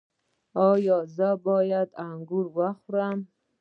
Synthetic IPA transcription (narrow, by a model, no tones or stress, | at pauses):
ɔjɔzabɔːjad̪aŋɡuɾwaχuɾam